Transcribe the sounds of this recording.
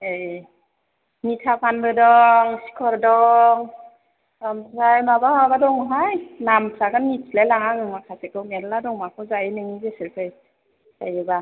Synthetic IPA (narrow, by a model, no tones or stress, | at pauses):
e | nitʰapʰanbɯdɔŋsi̥kʰɔɾdɔŋ | amʰɾajmabahabadɔŋɦajnamʰɾaɡannitslelaŋaŋɯŋmakʰasekɯwmeɾladɔŋmakʰɔzajenɯŋizeseɾpʰaj | zajɯba